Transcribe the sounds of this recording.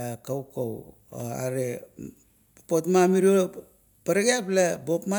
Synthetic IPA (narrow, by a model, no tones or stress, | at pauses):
kawkow | a̰ɾe | papotmamiɾio | paɾaɡeaplabo̞pma